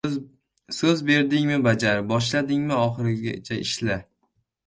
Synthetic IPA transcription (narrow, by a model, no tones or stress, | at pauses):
sɵzbe̞ɾd̪ɪŋmɪbad͡ʒaɾbɒʃ̬lad̪ɪŋmɪɒχɨɾɪɡʲat͡ʃʰaɪʃla